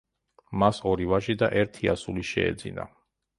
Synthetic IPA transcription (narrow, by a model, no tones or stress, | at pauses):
masɔɾivaʃid̪aʔɛɾt̪ʰiasuliʃɛ̰ɛ̰d̪zḭna̰